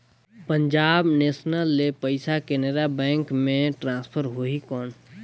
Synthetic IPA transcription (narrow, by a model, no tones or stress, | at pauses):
pəɲd͡ʒaːbneːsnəlːepəɪsakeneɾabɛ̃ːŋkmẽʈɾãːspʰəɾɦoikɔːn